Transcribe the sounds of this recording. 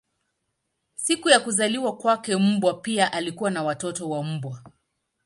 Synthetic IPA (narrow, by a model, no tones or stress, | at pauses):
sikujakuzaliwakwakɛm̩bwapiaʔalikuwanawatɔtɔwam̩bwa